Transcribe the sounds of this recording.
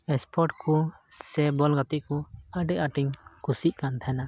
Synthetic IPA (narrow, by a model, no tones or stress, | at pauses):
ɛspʰɔɾʈkʰusɛbɔlɡat̪iʔkɔaɖɛʔaʈiŋkusiʔkant̪ʰaɛna